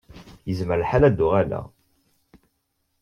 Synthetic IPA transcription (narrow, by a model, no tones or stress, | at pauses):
jəzməɾħalæd̪ːʊʁælæ̰